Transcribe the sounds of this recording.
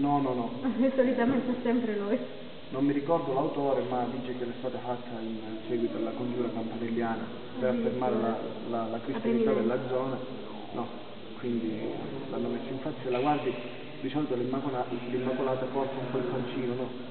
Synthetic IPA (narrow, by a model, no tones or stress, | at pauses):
nɔnɔnɔisolit̪ament̪ɛsːɛmpɾeluj | nomːiɾikɔrd̪olawt̪ɔːɾemad̪id͡ʒːekɛlɛst̪aːt̪afat̪ʰːain | sɛːɡwit̪olakond͡ʒuːɾakampanelːjaːna | peɾafːermaːɾela | lalakɾist̪janit̪aːd̪elːad̪zːɔːna | nʔɔ | kwind̪i | lanːomɛsːiɱfat̪sːɛlaɡward̪i | d̪isɔlt̪olimːakolalimːakolaːt̪apɔrt̪ʰːaumpɔilkont͡ʃiːnonɔ